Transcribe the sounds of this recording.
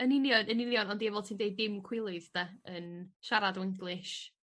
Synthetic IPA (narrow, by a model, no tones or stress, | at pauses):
ənɪnjɔnənɪnjɔnɔndiɛvɔlˠtʰiːndejd̚ːɪmkʰw̥ɪlˠɨðd̥ɛənʃaɾadɔwɪŋɡlˠɨʃ